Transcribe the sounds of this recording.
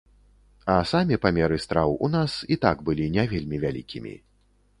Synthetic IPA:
ɐsamʲipamʲɛɾɨst̪ɾawunasit̪aɡbɨlʲinʲavʲelʲmʲivʲalʲḭkʲimʲḭ

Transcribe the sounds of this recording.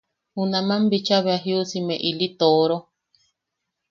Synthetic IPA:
hunãmãmbit͡ʃaβeaɦiusimẽʔilit̪oɾo

